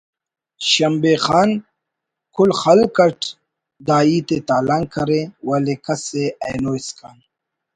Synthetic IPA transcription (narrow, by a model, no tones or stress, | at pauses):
ɕɐmbeːxaːn | kʰulxɐlkɐʈ | d̪aːiːt̪et̪aːlaŋkʰɐɾewɐlekɐseʔɐjnoːiskan